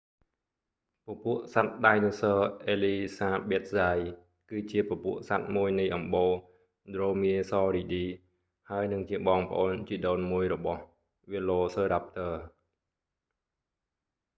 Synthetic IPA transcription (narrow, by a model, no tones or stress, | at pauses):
pəpuəʔsat̪̚ɗaːjnusəːʔeːliːsaːɓeət̪̚saj | kɨːt͡ɕiəpəpuəʔsat̪̚muəjnɨjʔɑmɓoː | d̪roːmiəsɑːɾiːɗiː | haəjnɨŋt͡ɕiəɓɑːŋpə̆ʔoːnt͡ɕiɗoːnmuəjrɔɓɑh | ʋiloːsəːɾap̚t̪əː